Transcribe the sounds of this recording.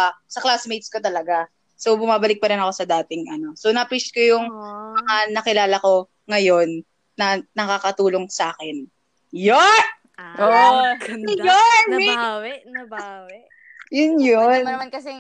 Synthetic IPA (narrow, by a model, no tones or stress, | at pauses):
sɐklaːsmejt̪̚skot̪ɐlɐɡa | so̞wbʊmaːbɐlɪk̚pɐɾɪnɐko̞sɐd̪aːt̪ɪŋʔɐno̞sonɐpɾit͡ʃkojʊŋmɐŋanɐkɪlaːlɐko̞ | ŋɐjo̞nː | ɐnɐkaːkɐt̪uːlo̞ŋsʔaːkɛn | jon | ʔo | jonw | w | jʊnjonkɐs